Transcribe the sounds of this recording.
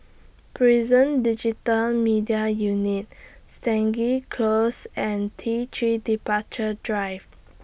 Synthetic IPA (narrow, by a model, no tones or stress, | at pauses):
pʰɹizə̃ndid͡ʒitəlmidiajunit̚stɛ̃ŋɡikʰlosɛ̃ntʰitʰɹidipat͡ʃədɹajv